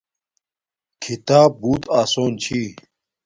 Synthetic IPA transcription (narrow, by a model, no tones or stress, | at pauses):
kʰit̪aːb̚buːt̪aːsoːnt͡ɕʰiː